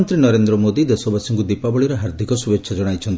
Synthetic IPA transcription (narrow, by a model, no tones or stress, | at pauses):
nt̪ɾinɔɾend̪ɾɔmod̪id̪esɔbasiŋkud̪ipabɔɭiɾɔɦaɾd̪ʱikɔsubekʃʰad͡ʒɔɽ̃ajt͡ʃʰɔnt̪